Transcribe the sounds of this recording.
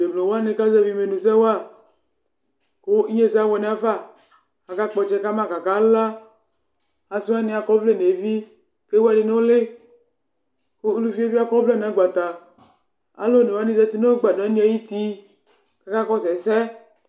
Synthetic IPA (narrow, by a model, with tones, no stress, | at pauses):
de˨mlõ˨wo˦a˦ne˨ka˦zɛ˦vi˦me˨nũ˨s̬ɛ˦wa˦˨ | ko˦i˦ɲe˦se˦a˦wɔ˨nẽ˨˦a˦fa˦˨ | a˨ka˦k͡pɔ˨t͡ʃɛ˦ka˦mã˦˨ka˨ka˦la˦ | a˨si˦a˦ne˨a˨kɔ˦vle˦ne˨vi˦ | ke˦wo˦a˦de˨ne˦o˦lɪ˦ | ko˦lu˦fi˦e˦vi˦a˦kɔ˦vlɛ˦˨n˨a˨˦ɡ͡ba˨t̪a˨ | a̰˦lo˦ne˨wa˦nĩ˦zɛ˦t̪i˦no˦ɡ͡ba˨dɔ˨e˦nĩ˦a˨ji˦t̪i˦ | ka˦ka˦kɔ˦sɛ˨sɛ˦